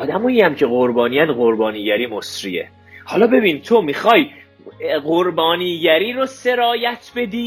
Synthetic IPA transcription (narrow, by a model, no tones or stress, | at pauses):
ɒːd̪æmɒːiæmcʰeɣoɾbɒːnijænɢo̞ɾbɒːniːɟæɾiːmo̞sɾḭḛ | hɒːlɒːbe̞biːnit̪ʰomixɒːj | ɢoɾbɒːniːɟæɾiːɾose̞ɾɒːjæt̪ʰbe̞d̪iː